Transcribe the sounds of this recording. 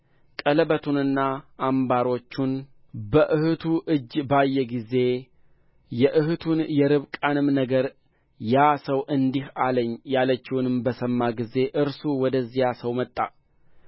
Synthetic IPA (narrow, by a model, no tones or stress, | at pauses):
kʼələbət̪ʰunɨnːaʔːmbaɾo̞t͡ʃːun | bəʔɨhɨt̪ʰuʔɨd͡ʒːbajːɛɡize̞ | jɛʔɨhɨt̪ʰunjɛɾɨβkʼanɨmnəɡəɾ | jasəwʔɨnd̪ihaləɲːjalət͡ʃːɪwunɨmbəsəmːaɡize̞ʔɨɾsuwɔd̪əzːijasəwmət̪ʼːa̰